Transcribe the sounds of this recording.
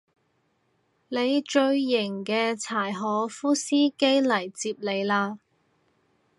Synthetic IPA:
le˨˧jt͡ʃɵ˧ɥːɪ˨˩ŋkɛː˧t͡sʰaː˨˩jɦɔː˨˥fuː˥siː˥ke˥jlɐ˨˩jt͡siː˧p̚le˨˧jlaː˧

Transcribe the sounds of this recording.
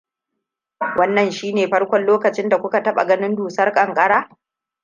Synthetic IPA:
wʔɐ˦nːɐ˨nʃiː˦neː˨ɸɐ˦rkʷɔ˨nloː˦kɐ˨t͡ʃɪ˦nda˨kʷʊ˦ka˨tɐ˦ɓa̰˨ɡɐ˦nɪ˦nduː˨sɐ˦rkʼɐ˨ŋkʼɐ˦ɽaː˦

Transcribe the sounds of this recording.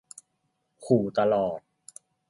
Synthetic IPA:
kʰuː˨˩t̪a˧lɔː˨˩t̪̚

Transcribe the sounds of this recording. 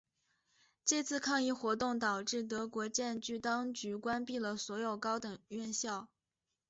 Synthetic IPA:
t͡ɕe˥˧t͡sʰɹ̩˥˧kʰɑ˥˧ŋi˥˧xwɔ˧˥t̪ʊ˥˩ŋt̪ɑ˨˩ʊʈ͡ʂɻ̩˥˩t̪ɤ˧˥kwɔ˧˥t͡ɕjɛ˥˧nt͡ɕy˥˩t̪ɑ˥ŋt͡ɕy˧˥kwa˥npi˥˩lə˩swɔ˧˥jo˨˩ʊkɑ˥ʊt̪ɤ˨˩ŋɥɛ˥˧nɕjɑ˥˩ʊ

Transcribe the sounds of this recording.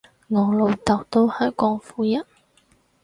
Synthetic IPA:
ŋɔː˨˩lo˨˩wt̪ɐ˨˩wt̪o˥whɐ˨˥kɔː˧˥ŋfuː˨˥jɐ˥t̚

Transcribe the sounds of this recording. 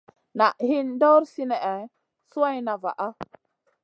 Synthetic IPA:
na˨ʔhi˦ndo˦ɾsi˦nɛ˨ʔɛ˨ | su˦a˦jna˨va̰˨ʔa˦

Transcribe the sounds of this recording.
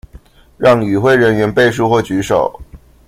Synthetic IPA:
ɻɑ˥˩ŋy˨˩xwe˥˩ɪɻə˧˥nɥɛ˧˥npe˥˧ɪʂ̬u˥˧xwɔ˥˩t͡ɕy˧˥ʂo˨˩˦ʊ

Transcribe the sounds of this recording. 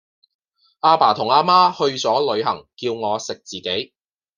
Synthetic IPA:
ʔaː˧paː˨˩t̪ʰʊ˨˩ŋaː˧maː˥hɵ˧ɥt͡sɔː˨˥lɵ˨˧ɥɦɐ̰˨˩ŋkiː˧wŋɔː˨˧sɪ˨k̚t͡siː˨˩ke˨˥j

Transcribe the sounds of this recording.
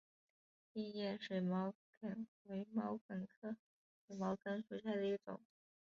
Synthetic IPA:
i˥˧jɛ˥˧nʂe˧˩mɑ˧˥ʊkə˨˩nwe˧˥ɪmɑ˧˥ʊkə˨˩nkʰɤ˥ | xmɑ˧˥ʊkə˥nʂu˧˥ɕja˥˩d̪ə˧i˥˩ʈ͡ʂʊ̰˨˩˦ŋ

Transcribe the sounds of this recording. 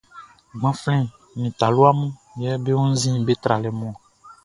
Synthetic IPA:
ɡ͡bã˨˦flɛ̃˦˨ | mĩ˨t̪a˨lo˦a˦mũ˦ | jɛ˦be˦wũ˦n̩˦zĩ˦˨be˦t̪ɾa˨lɛ˨mɔ̃˦˨

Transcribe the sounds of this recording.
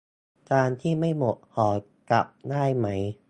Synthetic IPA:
t͡ɕaː˧nt̪ʰiː˥˩ma˥˩jmo˨˩t̪̚hɔː˩˦ | ka˨˩p̚daː˥˩jma˦˥j

